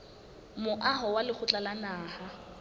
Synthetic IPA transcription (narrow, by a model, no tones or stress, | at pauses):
mʊʔaɦɔwalɪk͡xʰʊt͡ɬʼalanaːha